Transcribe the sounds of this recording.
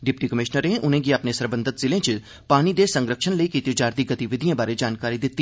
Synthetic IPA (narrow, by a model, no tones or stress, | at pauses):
ɖɪpʈikəmɪʃnəɾẽʔʊn̤ẽɡiɐpnesəɾbə̃nd̪ʱət̪zɪlẽt͡ʃɪ | paːnid̪esə̃ŋɡɾəkʃənləikiːt̪id͡ʒaːɾd̪iɡɐt̪iʋɪd̪ʱijãbaːɾed͡ʒaːnkaːɾid̪ɪt̪ːi